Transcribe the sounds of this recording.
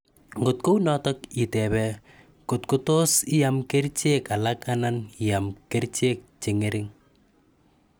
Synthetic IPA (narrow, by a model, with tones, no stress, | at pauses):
ŋɡʊ˨t̚ko˦wnɔtɔki˨tɛ˨βɛ | kʊ˨tkʊ˦to˦si˦jamke˦ɾt͡ʃe˦ka˨lakanani˨jamke˦ɾt͡ʃe˦k̚t͡ʃɪ˨ŋeɾɪ˦ŋ